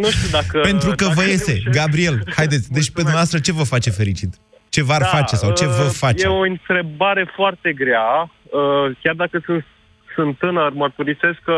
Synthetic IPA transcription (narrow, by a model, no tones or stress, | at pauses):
nuʃt̪ʲiud̪akəpe̞nt̪ɾukəvəje̞se̞ɡabɾie̞lhajd̪e̞t̪sʲd̪e̞t͡ʃʲpe̞d̪umnavast̪ɾət͡ʃe̞vəfat͡ʃe̞fe̞ɾit͡ʃit̪ | t͡ʃe̞varfat͡ʃe̞sawt͡ʃe̞vəfajeoɨnt̪ɾe̞baɾe̞foart̪e̞ɡɾeaəkʲjard̪akəsɨnt̪ | sɨnt̪ːɨnərmərt̪uɾise̞skə